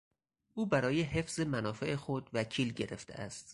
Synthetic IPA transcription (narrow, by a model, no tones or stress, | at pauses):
ʔuːbæɾɒːje̞ɦe̞fz̥e̞mænɒːfeʔexo̞d̪væcʰiːlɟeɾe̞̰ft̪ʰe̞̰ʔæ̰st̪